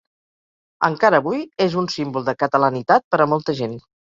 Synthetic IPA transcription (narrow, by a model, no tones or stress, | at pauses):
ə̰ŋkaɾəːβujezunsimbulˠd̪əkət̪ələnit̪at̪̚pəɾəmɔlˠt̪əʒen